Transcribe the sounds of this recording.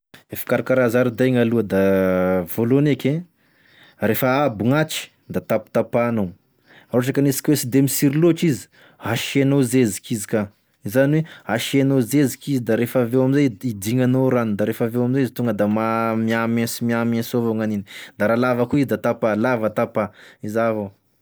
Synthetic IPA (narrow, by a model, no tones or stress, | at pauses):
efi̥kaɾakaɾazaɾid̪ajŋaluəd̪avolonekʲẽ | ɾefəabuŋat͡ʃi̥ | d̪at̪api̥t̪apanow | aɾaʈ͡ʂakanisi̥kʲwesid̪emisiɾiloʈ͡ʂizi̥ | haʃenozezi̥kizika | izaniweaʃenozezikizid̪aɾefavewaminzajid̪iŋanoɾanid̪aɾefavewaminzajizit̪uŋɡəd̪amamiamẽsimiamẽsovoŋaninid̪̥aɾalavəkuizid̪at̪apalavat̪apaizavo